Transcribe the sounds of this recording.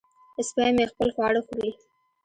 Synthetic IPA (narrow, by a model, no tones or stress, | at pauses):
ɪspaamexpəlxwɑɽəxuɾi